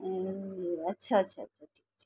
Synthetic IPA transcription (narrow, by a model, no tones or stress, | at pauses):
ətːʃʰat͡ʃʰeaə̰tːt͡ʃʰaʈʰikt͡ʃʰe